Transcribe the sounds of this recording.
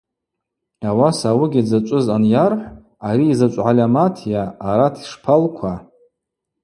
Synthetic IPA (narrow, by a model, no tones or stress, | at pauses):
awasawɨɡʲid͡zat͡ʃʷʼʊzanjarħʷ | aɾiːzat͡ʃʷʼʕalʲamatʰjaːɾatʰi̥ʂpʰalkʷʰa